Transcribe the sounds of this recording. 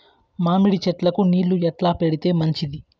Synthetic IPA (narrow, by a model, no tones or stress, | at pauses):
maːmiɽit͡ʃɛʈlɐkuniːllːuɛʈlaːpeɽit̪e̞ːmɐɲt͡ʃid̪i